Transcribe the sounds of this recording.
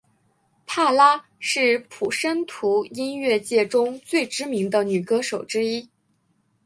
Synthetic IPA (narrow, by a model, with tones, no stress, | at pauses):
pʰa˥˩la˥ | ʂɻ̩˥˩pʰu˨˩ʂə˥nt̪ʰu˧˥i˥nɥɛ˥˧t͡ɕjɛ˥˩ʈ͡ʂʊ˥ŋt͡swe˥˩ɪʈ͡ʂɻ̩˥mi˧˥ŋd̪ə˧ny˨˩kɤ˥ʂo˨˩ʊʈ͡ʂɻ̩˥i˥